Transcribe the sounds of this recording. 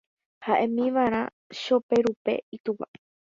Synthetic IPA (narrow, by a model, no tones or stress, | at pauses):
haʔẽmĩʋaɾ̃ã̰ | ʃopeɾupe̞̰it̪upa̰